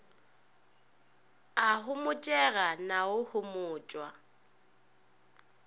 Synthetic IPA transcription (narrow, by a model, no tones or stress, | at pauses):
aɦʊmʊt͡ʃʼɛɣanaʊhʊmʊːt͡ʃʼwa